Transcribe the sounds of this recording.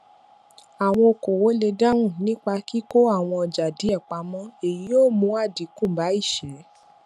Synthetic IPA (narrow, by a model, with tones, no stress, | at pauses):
a˨w̃ɔ̃˧o˧ko˨wo˨˦le˧da˦ɾũ˦˨nĩ˦k͡pa˧ki˦ko˦a˦˨w̃ɔ̃˧ɔ˧d͡ʒa˨di˨˦ɛ˦˨k͡pa˧mɔ̃˦e˨ji˨˦o˦˨mũ˧˦a˦˨di˨˦kũ˦˨ba˨˦i˦˨ʃɛ˨˦